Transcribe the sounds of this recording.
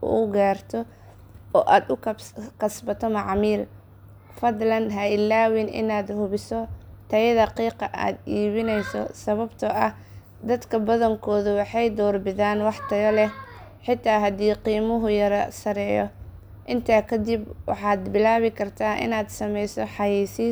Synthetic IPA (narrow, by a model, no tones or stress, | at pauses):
ʊ̰ɡaːrt̪ʰɔ | ɔːʔaːd̪ʊkkɐsbɐt̪ʰɔmɑʕmiːl | fɐd̪lɐnɦɐɪlaːwɪnʔɪ̰naːd̪hʊβɪsɔt̪ʰɐjɐðɐqiːqɐʔa̰ːd̪iːβɪnɛjsɔ̰sɐβɐbt̪ʰɔʔɐh | d̪ɐd̪kʰɐbɐðɐŋkʰɔːðʊwɑħɑjd̪ɔːrbɪðaːnwɑħt̪ʰɐjɔlɛ | ħɪt̪ʰːaːɦɐd̪iːqiːmʊɦʊjɐɾɐsɐɾɛːjɔ̰ | ʔɪnt̪ʰaːkʰɐd̪ibwɑ̰ħɑːd̪bɪlaːβɪkʰɐrt̪ʰaːʔɪ̰naːd̪sɐmɛjsɔħɑjiːsiː